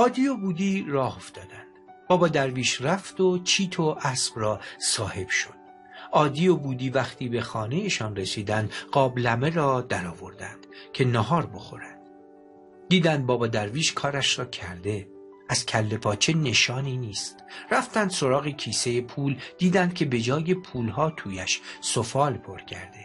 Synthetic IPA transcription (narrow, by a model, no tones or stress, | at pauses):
ʔɒːd̪ijobuːd̪iːrɒːho̞fd̪ɒːd̪ænd̪̥b̥ɒːbɒːd̪æɾviːʃræft̪ot͡ʃʰiːt̪ʰoʔæsb̥rɒːsɒːhe̞b̥ʃo̞̥d̪̥̚ | ɒːd̪ijobuːd̪iːvæχt̪ʰiːbe̞xɒːne̞jeʃɒːnre̞siːd̪ænd̪ɢɒːblæme̞ɾɒːd̪æɾɒːvo̞ɾd̪ænd̪̥cʰe̞nɒɦɒːɾbo̞xo̞̰ɾænd̪̥ | d̪iːd̪ænd̪̚bɒːbɒːd̪æɾviːʃkʰɒːɾæʃɾɒːcʰæɾd̪e̞ | æzcʲʰælːe̞pʰɒːt͡ʃʰe̞ne̞ʃɒːniːniːst̪ræft̪ænd̪̥so̞ɾɒːɣecʰiːsejepʰuːld̪̥iːd̪ænd̪̥̚cʰe̞be̞d͡ʒɒːje̞pʰuːlɦɒːt̪ʰuːjæʃsofɒːlpʰo̞ɾcʰæɾd̪e̞